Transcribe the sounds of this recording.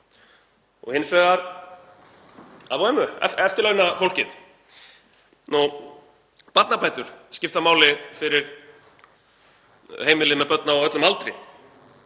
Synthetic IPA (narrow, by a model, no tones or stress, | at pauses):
ɔ̰ɣhɪnːsvɛɣðaɾ | aðoɛmːʏɛ̰ɛft̪ʏlœɥnafowlcɪθ | nu | pat̪napʰaːjt̪ʏɾ̥scɪft̪amaːwlɪfɪɾɪɾ̥ | heːjmɪlɪmɛðpœt̪naɔɣœt̪lʏmalt̪ɾɪ̰